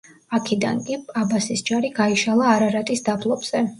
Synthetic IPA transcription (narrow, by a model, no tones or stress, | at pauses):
akʰid̪a̰nkʼipʼabasisd͡ʒaɾiɡaiʃalˠaːɾaɾat̪ʼisd̪abʰlˠɔbz̥ɛ